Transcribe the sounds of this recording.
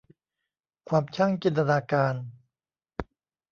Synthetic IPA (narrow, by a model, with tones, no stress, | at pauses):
kʰwaː˧mt͡ɕʰa˥˩ŋt͡ɕi˧nt̪a˧naː˧kaː˧n